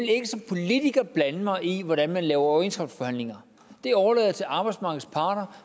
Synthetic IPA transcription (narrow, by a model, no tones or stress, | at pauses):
ele̝ɡ̥əsɒ̽mpʰo̝lit͡sʰiɡ̥ɐb̥lænəmɑ̈ɪiʋɒɾ̥ænmænlɛːʊɐɒensɡ̥ʁɑb̥sfɒ̽hæn̰le̝ŋɐ | d̥e̝ɒɐlɛ̰ːðˠɐt͡sʰe̝lʔɑ̈ːb̥ɑɪdsmɑ̈ːɡð̩ˠspʰɑ̈ːd̥ɐ